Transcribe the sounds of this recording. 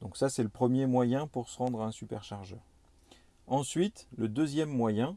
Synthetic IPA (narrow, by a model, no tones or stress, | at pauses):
d̪̥ɔ̃ksasɛləpχəmjemwajɛ̃puʁsəʁɑ̃d̪ʁaɛ̃sypɛ̰ʁʃaʁʒœːʁ | ɑ̃sɥit̪ləd̪øzjɛmːwajɛ̃